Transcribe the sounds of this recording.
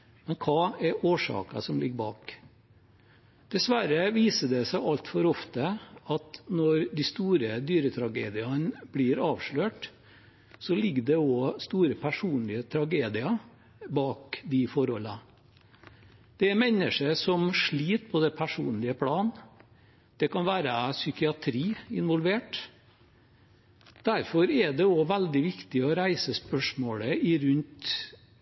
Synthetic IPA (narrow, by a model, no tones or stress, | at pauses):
mɛnkʰɑːɛɾoːʂɑ̰ːkɑ̰sɔmlɪɡːəbɑːk | d̪̥ɛsʋæɾəʋiːsəɖ̪ɛsæɪʔɑlt̪fɔɾɔft̪əɑt̪nɔɾd̪ɪst̪uːɾəd̪yːɾət̪ʰɾɑɡeːd̪ɪɑnblɪːɾɑːʋʂɭøːʈ | sɔlɪɡːd̪ɛɔst̪uːɾəpʰæʂuːnlɪət̪ʰɾɑɡeːd̪ɪɑ | bɑːkd̪ɪfɔɾhɔlɑ | d̪̥ɛæmɛnːəʂəsɔmʂɭiːt̪pʰɔd̪ɛpʰæʂṵːnlɪəpʰlɑːn | d̪̥ɛkɑnʋæːɾəsʏkɪɑt̪ʰɾiːɪnʋɔlʋeːʈ | d̪̥æɾfɔɾɛɖɛɔʋæld̪ɪʋɪkt̪ɪɔɾæɪsəspœʂmoːləɪɾʉnt̪